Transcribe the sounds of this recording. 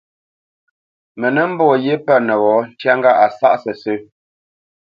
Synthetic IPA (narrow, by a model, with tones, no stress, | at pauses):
mə˨nə˦m̩˦bɔ˦˨je˦pə˦nə˨ɣɔ˨˦n̩˦tja˦ŋɡa˦ʔa˨sa̰˦ʔsə˨sə˦